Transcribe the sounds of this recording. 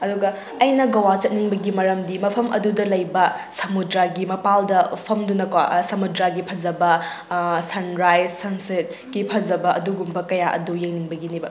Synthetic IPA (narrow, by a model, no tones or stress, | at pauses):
ɐduɡɐː | jnɐɡɐwat͡ʃɐt̚niŋbɐɡimɐɾɐmdimɐpʰɐmʔɐ̰dudɐlɐjbɐsɐmudɾaɡimɐpaldɐpʰɐmdunɐkwasɐmudɾaɡipʰɐd͡ʒɐbɐ | sɐnɾajzsɐnset̚ | ɡipʰɐzɐbɐɐ̰duɡumbɐkɐjaʔɐ̰dujeŋniŋbɐɡinibɐ